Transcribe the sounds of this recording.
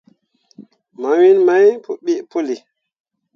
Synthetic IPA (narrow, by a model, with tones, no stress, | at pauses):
ma˨wi˦nma˦jpu˨ɓi˦ʔpo˦li˨